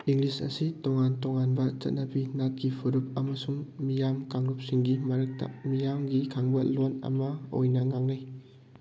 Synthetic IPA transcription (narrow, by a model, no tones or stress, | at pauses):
iŋɡlisɐ̰sitoŋantoŋanbɐt͡ʃɐ̰t̚nɐbinat̚kipʰuɾup̚ɐmɐsuŋmijamkaŋɾup̚siŋɡimɐɾɐk̚tɐ̰mijamɡikʰaŋbɐlonɐ̰mɐo̰jnɐŋaŋnaj